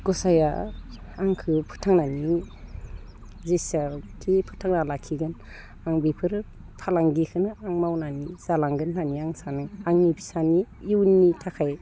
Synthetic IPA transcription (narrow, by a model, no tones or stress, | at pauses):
ɡ̥ɔsaja̰ː | ŋkʰɯpʰɯ̥tʰaŋnani | zesakʰipʰɯtʰaŋnalakʰiɡɯn | aŋbipʰɯɾ | pʰalaŋɡikʰɯnɯaŋmawnaniz̥alaŋɡɯnlaniaŋsanɯaŋnibʰisaniiwnːitʰakʰaj